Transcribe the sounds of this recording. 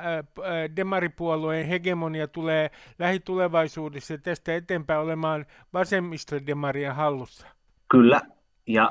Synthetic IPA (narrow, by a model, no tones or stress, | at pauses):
demɑripuoluenheɡemoniɑt̪uleːlæhit̪uleʋɑisuːdesːɑjɑt̪æst̪æet̪eːmpæːolemɑːn | ʋɑsemːisːɑdemɑriehɑlːusːɑ̥ | kylːæ | jɑ